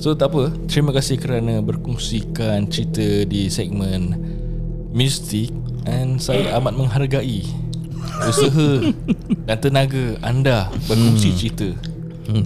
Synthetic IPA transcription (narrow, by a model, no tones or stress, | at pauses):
sot̪apət̪ɾimãkasɪhkəɾanãbərkuŋsikant͡ʃəɾit̪ədisɛk̚mə̃n | mjust̪ɪk̚ | ɛnsaat̪amat̪̚məŋɦarɡaʔi | usəɦə | dant̪ənaɡaa̰ndabərkuŋsit͡ʃɾit̪ə